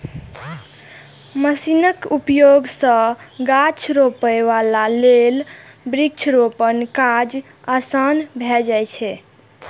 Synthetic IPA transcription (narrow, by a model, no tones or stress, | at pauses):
məsinəkupjoɡsə̃ɡat͡ʃʰɾopəjʋalalel | bɾik̚t͡ʃʰɾopənkad͡ʒ | əsənbʱɛd͡ʒajt͡ʃʰɛ